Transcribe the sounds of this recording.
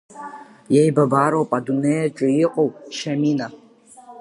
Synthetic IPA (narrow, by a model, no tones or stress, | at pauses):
jejbabaːɾowpʼadunejaʈ͡ʂʼɨiqʼowʃamina